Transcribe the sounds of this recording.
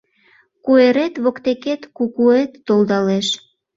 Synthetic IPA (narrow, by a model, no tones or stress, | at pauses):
kueɾet̪βokt̪eket̪kukuet̪ːold̪ɑleʃ